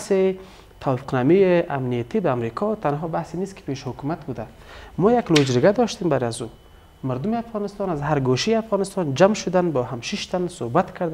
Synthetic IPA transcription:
se | t̪ʰawɔfɪ̥qnamijeamnijat̪ibaːmɾikʰɔt̪anɦɔbahseniskɪ̥peʃhʊkumat̪bud̪a | mɔːjaklod͡ʒɾɡad̪ɔʃt̪embaɾazu | maɾd̪ʊmeafɣɔnɪst̪ɔnazɦaɾɡoʃijafɣɔnɪst̪ɔnd͡ʒamʃʊd̪anbɔːɦamʃiʃt̪ansohbat̪kʰaɾd̪

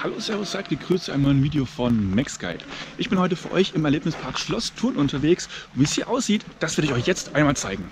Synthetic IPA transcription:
halo̰ːsɛʁosz̥aːk̚t̚ɡ̥əɡ̥ʁ̥yːst͡suʔaɪnmnɔʏənviːdejofɔnmɛkska̰ɪpʔɪçb̥ɪnhɔʏtəfyːɐʔɔ̰ʏçɪmɛɐleːpnɪspʰaɐkʃlɔstʰuːɐnʔʊntʰɐveːksviːshiːɐʔaʊsz̥iːtd̥asv̥ɪɐdɪçɔʏçjɛt͡stʔaɪnmaːlt͡saɪɡŋ̩

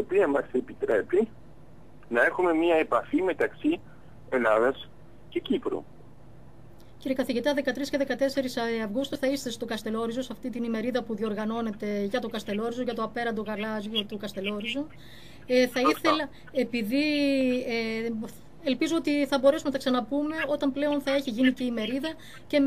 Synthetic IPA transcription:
opiɐmɐse̞pit̪ɾe̞pi | nɐe̞xume̞miɐepɐfime̞t̪ɐksi | e̞lɐðɐs | ce̞cipɾṵ | ciɾiekɐθiʝit̪ɐðe̞kɐt̪ɾisce̞ðe̞kɐt̪e̞se̞ɾisɐvɣust̪uθɐist̪est̪o̞kɐst̪e̞lo̞ɾizosɐft̪it̪inime̞ɾiðɐpuðio̞ɾɣɐno̞ne̞t̪e̞ʝɐt̪o̞kɐst̪e̞lo̞ɾizoʝɐt̪oɐpe̞ɾɐnd̪oɣɐlɐzʝut̪ukɐst̪e̞lo̞ɾizu | θɐiθe̞lɐ | epiði | elpizoot̪iθɐbo̞ɾe̞sumet̪ɐksɐnɐpume̞o̞t̪ɐmple̞o̞nθɐeçiʝiniceime̞ɾiðɐ | ce̞

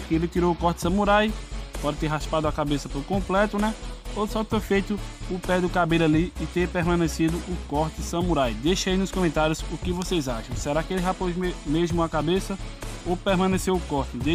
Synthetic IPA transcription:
kelɪt̪iɾowʊkɔɾt̪ɪ̥sɐ̃muɾajpɔd̪ɪt̪eɾɦaspad̪ʊɐkabesɐpoɾkõplɛt̪ʊnɛosɔt̪efejt̪ʊʊpɛd̪ʊkabelʊaliɪt̪eɾpeɦmɐ̃nesid̪ʊʔʊkɔɾt̪ɪsɐ̃muɾajd̪eʃɐinʊskõmẽnt̪aɾjʊzʊkɪvosejzaʃɐ̃w̃sɛɾakɪelɪɦapozmemeʒmʊɐkabesɐopehmɐ̃nesewʊkɔht̪ɪd̪e

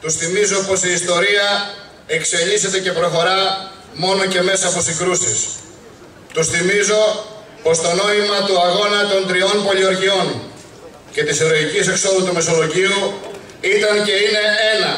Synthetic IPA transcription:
t̪usθimizo̞po̞siːst̪o̞ɾiɐ | e̞kse̞ʎise̞t̪e̞ce̞pɾo̞xo̞ɾɐ | mo̞no̞ce̞me̞sɐːpo̞siŋɡɾusis | t̪usθimizo̞ | po̞st̪o̞no̞imɐt̪uɐɣo̞nɐt̪o̞nt̪ɾio̞npo̞lioɾʝio̞n | ce̞t̪iseɾoicise̞kso̞ðut̪ume̞so̞lo̞ʝiu | it̪ɐnce̞ine̞e̞nɐ

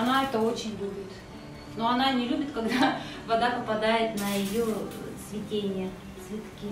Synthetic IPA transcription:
ɐnaɛt̪əot͡ɕɪnʲlʲubʲɪt̪ | no̞ɐnanʲɪlʲubʲɪt̪kɐɡd̪avɐd̪apəpɐd̪ajɪt̪nəɪjosvʲɪtʲenʲɪjə | tsvʲɪt̪kʲi

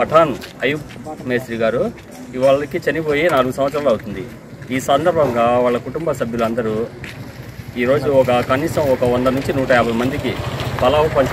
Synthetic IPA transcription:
ɐʈʰaːnɐjukmeːsɾiːɡaːɾu | iʋaːɭɐkit͡ʃɐnipo̞ːjenaːluɡusɐmʋɐt̪sːɐɾaːluɐwut̪und̪i | iːsɐnd̪ɐɾbʱɐŋɡaːʋaːɭːɐkuʈumbɐsɐbʱjulɐnd̪ɐɾu | iːɾo̞ːd͡ʒuɔkɐkɐniːsɐmɔkɐɔnd̪ɐnuɲt͡ʃinuːʈɐjaːbʱɐjmɐnd̪ikibɐlaːɐpɐɲt͡ʃ

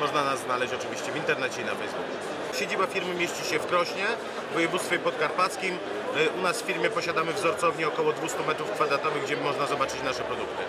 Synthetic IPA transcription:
mɔʐnanazznalɛɕt͡ɕɔt͡ʂɘvʲiɕt͡ɕɛvʲint̪ɛɾnɛt͡ɕɛina̰fɛjzbuku | ɕed͡ʑibafʲiɾmɘmʲjeɕt͡ɕiɕɛfkɾɔɕɲɛ | vɔjɛvut̪st̪fʲɔipɔt̪̚kaɾpat̪skʲim | ʔunasfʲiɾmʲjɛpɔɕad̪amɘvzɔɾt̪sɔvɲɛɔkɔwɔd̪vust̪umɛt̪ɾufkfad̪ɾat̪ɔvɘɣɡd͡ʑɛmɔʐnazɔbat͡ʂɘt͡ɕnaʂɛpɾɔd̪ukt̪ɘ

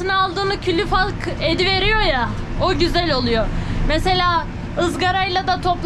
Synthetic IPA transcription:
ɯnɯalˠd̪ɯːnɯcʰylʲyfalˠke̞d̪ive̞ɾijo̞ja | oɟyzɛlʲo̞lˠujomese̞lʲaː | ɯzɡaɾajlˠad̪at̪ʰo̞plˠ

